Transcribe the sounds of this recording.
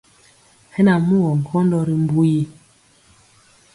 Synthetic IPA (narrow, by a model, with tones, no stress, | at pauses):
hɛ˦na˨mu˦wɔ˨ŋ̩˨kʰɔ˦n˦dɔ˦ɾi˨m̩˦bu˦ji˦